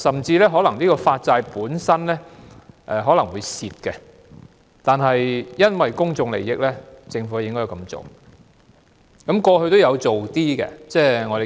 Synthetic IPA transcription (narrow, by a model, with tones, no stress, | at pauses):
sɐ˨˩mt͡siː˧lɛː˥ɦɔː˨˥lɐ˨˩ŋliː˥kɔː˧faː˧t̚t͡saː˧jpuː˨˥nsɐ˥nlɛː˥ʔɛ˨ɦɔː˨˥lɐ˨˩ŋwuː˨˧jsiː˧t̚kɛ˧ | t̪aː˨nɦɐ˨jjɐ˥nwɐ˨jkʊ˥ŋt͡sʊ˧ŋlḛ˨˩jːɪ˨˧k̚lɛː˥t͡sɪ˧ŋfu˨˥˧jɪ˥ŋkɔ˥ja˨˧kɐ˧mt͡so̰˨w | kɐ˨˥mkɔː˧hɵ˧ɥt̪o˥wjɐ˨˧wt͡so˨wt̪iː˥kɛ̰˧t͡sɛː˥ŋɔ˨˧de˨